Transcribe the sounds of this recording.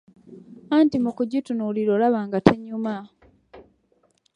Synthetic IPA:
aːntimukuɟitunuliɾoːlaβaːŋɡatʰeɲuma

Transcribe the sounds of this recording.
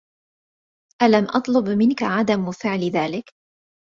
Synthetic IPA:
ʔalamʔɑt̪ˤlʊbmɪnkaʕad̪amfɪʕlðaːlɪk

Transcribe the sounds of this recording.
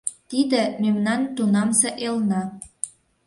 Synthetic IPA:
t̪id̪ĕmemnɑnt̪unɑmseʔelnɑ

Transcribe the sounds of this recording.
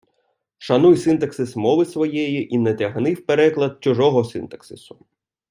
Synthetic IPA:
ʃɐnujsɪnt̪ɐksɪsmɔʋɪsʋɔjɛjiʔinɛt̪ʲɐɦnɪwpeɾɛklˠɐd̪̚t͡ʃʊʒɔɦɔsɪnt̪ɐ̥ksɪsʊ̥

